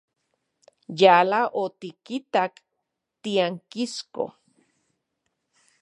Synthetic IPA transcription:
jalaʔot̪ikit̪ak | t̪iaŋkisko̰

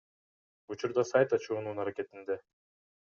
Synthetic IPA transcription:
ut͡ʃuɾd̪ɑsajt̪ɑt͡ʃuːnunɑɾake̞t̪ind̪e

